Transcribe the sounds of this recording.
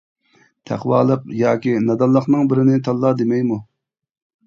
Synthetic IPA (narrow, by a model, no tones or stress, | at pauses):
t̪ʰæ̰qwɑːlˠəqjɑːkʲinɑd̪ɑnlˠːəχnɨŋbɪɾɪnɪt̪ʰɑlˠːɑːd̪emɛjmu